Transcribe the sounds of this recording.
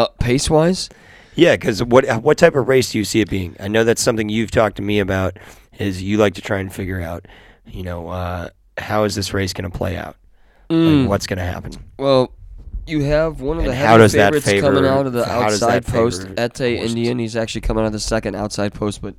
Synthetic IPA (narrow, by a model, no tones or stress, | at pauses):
pʰeɪswaɪz̥ | jækʰʌzwʌɾwʌtʰaɪpʌvɹeɪsd̥ɨjɨsiɨt̚b̥iɪ̃ŋa̰ɪnoʊðætsʌ̃mθɪ̃ŋjʉv̥tʰɔk̚tʰɨmiɨbaʊɾ | ɪzjɨlaɪk̚tʰɨtʰɹ̥aɪɨ̃nfɪɡjə˞aʊt̚ | jɨnoʊʌ | haʊɨzðɪsɹeɪsɡ̥ʌnəpʰl̥ḛɪa̰ʊt̩̚ | wʌtsɡ̥ʌnɨhæ̰pn̩wɛlˠjɨːvwʌ̃nʌvðɨhɛaʊɾʌzðɨtfeeɪvkʌə˞mɪ̃ŋaʊɾʌvðiʔa̰ʊʊʌzsaɪd̚pʰoʊstɛtʰeɪʔɪ̰̃ndiɨ̃nizæk̚t͡ʃʉl̩ˠikʰʌ̃mɪ̃ŋaʊɾʌðəsɛkɨ̃ndaʊtsaɪd̚pʰoʊst̚b̥ʌt̚